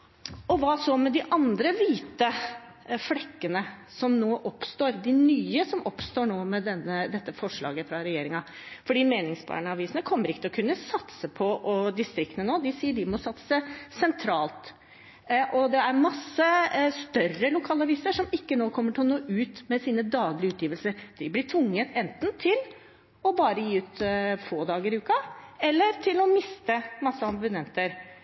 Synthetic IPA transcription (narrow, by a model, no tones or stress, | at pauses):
ɔʋɑsɔmɛd̪ɪʔɑnd̪ɾəʋiːt̪ə | flɛkːənəsɔmnoːʔɔpst̪oːɾd̪ɪnyːəsɔmɔpst̪oːɳoːmɛd̪ɛnːəd̪ɛt̪ːəfɔʂɭɑ̰ːɡəfɾɑɾɛjeːɾɪŋɑ | fɔɖiːmeːnɪŋsbɑ̰ɳəɑʋiːsnəkʰɔmːəɾɪkːət̪ʰlɔkʰʉnːəsɑt̪səpʰɔʔɔd̪ɪst̪ɾɪk̚t̪nənoːd̪ɪsiːəɖɪmɔsɑt̪sə̥səsɛnt̪ʰɾɑːlt̪ | ʔɔd̪ɛæɾmɑsːəst̪œrəlʊkʰɑːlɑʋiːsəʂɔmɪkːənoːkʰɔmːəʈʰɪlɔnoːʔʉːt̪mɛsiːnəd̪ɑːɡlɪəʉːt̪ʰjiːʋəlsəɾd̪̥ɪblɪʈʰʋʊŋːət̪ʰɛnt̪nt̪ʰɪl | ɔbɑːɾəjiːʉːt̪foːd̪ɑːɡəɾɪʉːkɑɛlːəɾt̪ʰɪlɔmɪst̪əmɑsːəɑmbʉnɛnt̪əɾ